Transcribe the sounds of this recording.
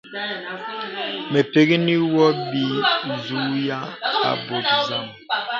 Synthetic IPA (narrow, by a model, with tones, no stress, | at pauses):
me˨pe˨ɡi˦ni˦wɔ˦bi˨zu˦ja˦a̰˨bo˨tza˦˨m